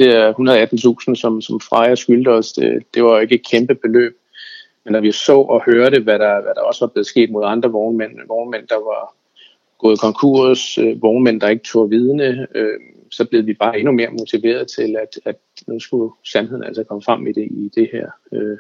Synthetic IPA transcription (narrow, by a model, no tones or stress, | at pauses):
d̥eæɐhunɐð̞ˠæd̥n̩t͡sʰṵːsn̩sɒ̽msɒ̽mfʁɑ̈ɪɐsɡ̥yld̥əɒ̽sd̥ḛd̥e̝ʋɑ̈oe̝ɡ̥əed̥̚kʰemb̥əb̥e̝lø̰ːb̥̚ | mend̥æʋisɔ̰̽ːɒ̽høɐɾəʋæɾɑ̈ʋæɾ̥ɑ̈ɒ̽səʋɑ̈b̥le̝ːð̩ˠsɡ̥e̝̰ːd̥̚moð̞ˠɑ̈nd̥ʁɐʋɒʊnmen̰ʋɒʊnmen̰d̥ɑ̈ʋɑ̈ | ɡ̥ɔ̽ːð̩ˠkʰɒ̽ŋkʰṵɐ̰søʋɒʊnmen̰d̥ɑ̈e̝ɡ̥ə̥t͡sʰo̝̰ɐʋiːð̞ˠənəø | sɒ̽b̥le̝ð̞̩ˠʋib̥ɑ̈ːe̝nume̝ːɐmo̝t͡sʰiʋe̝̰ːɐð̞ˠt͡sʰe̝læd̥æd̥nusɡ̥usænheð̰ˠn̩æ̰l̰səkʰɒ̽məfʁam̰id̥e̝ʔid̥e̝hæɐ̰ø